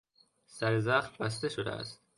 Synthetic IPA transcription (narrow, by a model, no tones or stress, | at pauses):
sæɾezæxt̪bæst̪eʃod̪ḛæ̰st̪̚